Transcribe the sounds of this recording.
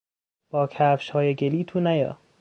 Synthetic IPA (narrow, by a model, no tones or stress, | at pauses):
b̥ɒːkʰæːfʃhɒːjeɡeliːt̪ʰuːnæjɒ̰ː